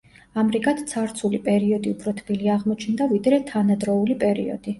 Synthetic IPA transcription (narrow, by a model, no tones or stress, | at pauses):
amɾiɡat̪ʰt̪sʰaɾt̪sʰulipʼɛɾiɔd̪iupʰɾɔt̪ʰbiliaʁmɔt͡ʃʰnd̪avid̪ɾɛt̪ʰanad̪ɾɔulipʼɛɾḭɔ̰d̪̥i